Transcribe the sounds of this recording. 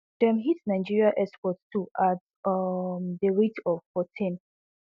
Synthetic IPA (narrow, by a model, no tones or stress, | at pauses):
d̥ɛ̃mɦitnãɪd͡ʒiɹiaʔɛspɔtstʰuʔat | mdəɹitɔv̥fɔtʰĩn